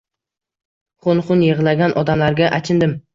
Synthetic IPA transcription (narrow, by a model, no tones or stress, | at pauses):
χonχʊnjeʁlˠaɡʲanʔɒd̪amlaɾɡʲaʔat͡ʃʰɪnd̪ɪm